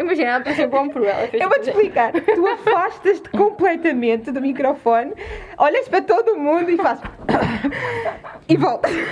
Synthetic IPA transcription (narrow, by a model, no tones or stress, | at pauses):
imɐʒinapɾɐsẽpõmpɾuɛ̰lˠɐ̰feewvot̪ːplˠikaɾt̪uɐfaʃt̪ɐʃt̪kõmplˠɛt̪ɐmẽnt̪ɨðumikɾɔfɔn | ɔʎɐʃpɾɐt̪oðumũnd̪uifaʃ | ivɔlˠt̪ɐʃ